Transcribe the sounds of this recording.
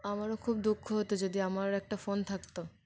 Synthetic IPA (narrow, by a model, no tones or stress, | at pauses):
amaɾokʰub̚d̪ukʰːoɦot̪od͡ʑod̪iamaɾɛk̚ʈafont̪ʰakt̪o